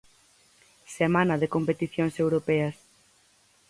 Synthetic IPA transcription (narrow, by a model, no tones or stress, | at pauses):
semãnɐðekompet̪iθjoŋsewɾopɛɐs